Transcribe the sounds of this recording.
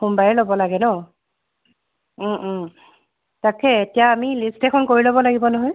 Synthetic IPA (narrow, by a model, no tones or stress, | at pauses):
xumbaɹɛlobɔlaɡɛnɔ | takɛetijaːmilistɛkʰɔnkoɹilobɔlaɡibɔnɔɦɔj